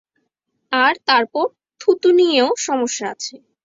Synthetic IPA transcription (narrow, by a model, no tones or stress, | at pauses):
aɾt̪aɾpɔɾ | t̪ʰut̪unijeoʃɔmoʃːaa̰t͡ɕʰe